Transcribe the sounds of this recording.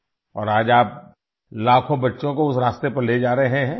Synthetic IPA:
ɔ̰ːɾaːd͡ʒaːp̚ | laːkʰõbɐtːʃõkoʊsɾaːst̪epɐɾleːd͡ʒaːɾəeɦẽɦɛ̃ː

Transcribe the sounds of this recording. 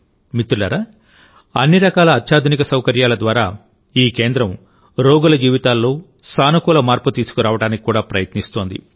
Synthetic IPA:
mit̪ɾulɐ̰ɾɐ | ɐnːiɾɐkaːlɐːt̪ʰʃaːd̪ʱunikɐsɐwkɐɾjaːlɐd̪ʋaːɾaː | iːke̞ːnd̪ɾɐm | ɾoːɡulɐd͡ʒiːʋit̪aːlːo̞ː | saːnukuːlɐmaːɾput̪iːsu̥kuɾaːʋɐɽaːniki̥kuːɽaːpɾɐjɐt̪nist̪o̞ːnd̪ḭ

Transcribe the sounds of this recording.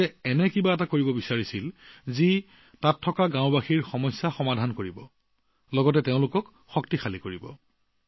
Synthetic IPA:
ɛɛnɛkibaɛtakoɹibɔbisaɹisilzi | tatʰːɔkaɡãʊ̃baxiɹxɔmɔjsːaxɔmadʱankoɹibɔ | lɔɡɔt̬ɛteʊ̃lʊkɔk | xɔk̚tixalikoɹibɔ̰

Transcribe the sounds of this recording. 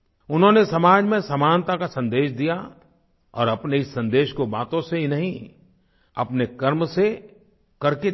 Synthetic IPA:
ʊnɦõnesɐmaːd͡ʒmẽsɐmaːnt̪akasɐ̃nd̪eːʃd̪ija | ɔ̰ːɾɐpneɪsːɐ̃nd̪eːʃkobaːt̪õseɦinɐɦĩ | ɐpnekɐɾmse | kɐɾke

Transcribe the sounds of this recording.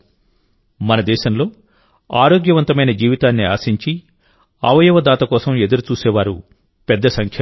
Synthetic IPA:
mɐnɐd̪ɛːʃɐmlo̞ː | aːɾo̞ːɡjɐʋɐnt̪ɐmɐjnɐd͡ʒiːʋit̪aːnːia̰ːsiɲt͡ʃi | aːʋɐjɐʋɐd̪aːt̪ɐkɔːsɐme̞d̪uɾut͡ʃuːsɛːʋaːɾu | pɛd̪ːɐsɐŋkʰjɐ

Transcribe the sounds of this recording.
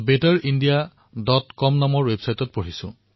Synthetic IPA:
betaɹindija | dɔtkɔmnamɔɹwebsajtɔt̚pɔɹisʊ̰̃

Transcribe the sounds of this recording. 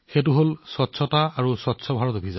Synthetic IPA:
xet̬ʊɦolsɔtːsʰɔtaːɹusɔtsʰɔbʱaɹɔtobʱiza

